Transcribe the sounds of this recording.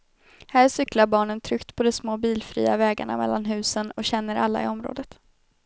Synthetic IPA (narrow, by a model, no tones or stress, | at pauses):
hæːʂʏklaɾbɑːɳənt̪ʰɾʏkt̪pʰɔd̪ɛsmoːbiːlfɾḭːavɛːɡa̰ɳa̰mɛ̰lːanɦʉ̟ːsənɔɕɛnːəɾʔa̰lːa̰ɪ̰ɔmɾo̰ːd̪ət̪